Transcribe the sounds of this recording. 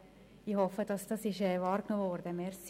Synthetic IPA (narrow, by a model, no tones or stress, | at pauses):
ihɔfəd̥ɑsd̥ɑsɪʃɛvɑːɾknovɔɾdəmɛɾs